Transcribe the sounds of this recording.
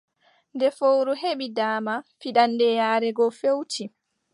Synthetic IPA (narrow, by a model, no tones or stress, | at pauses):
ndɛfowɾuɦeɓidaːmafiɗanːdɛjaːɾɛɡɔfewtʰi